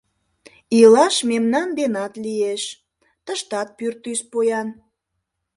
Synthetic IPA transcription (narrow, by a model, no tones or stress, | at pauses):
ilɑʃmemnɑnd̪enɑt̪lieʃ | t̪əʃt̪ɑt̪̚pyrt̪yspojɑn